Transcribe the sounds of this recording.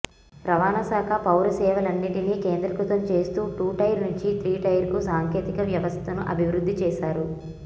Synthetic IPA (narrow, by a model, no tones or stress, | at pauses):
ɾɐʋaːnɐsaːkʰɐpɐwɾɐsɛːʋɐlɐnːiʈiniːkeːnd̪ɾɐkut̪ɐmt͡ʃe̞ːst̪uːʈuːʈɐjɾnuɲt͡ʃit̪ɾiːʈɐjɐɾkusaːŋkʰe̞ːt̪ikɐʋjɐʋɐst̪ʰɐnuʔɐ̰bʱiʋɾud̪ʱːit͡ʃɛːʃaːɾu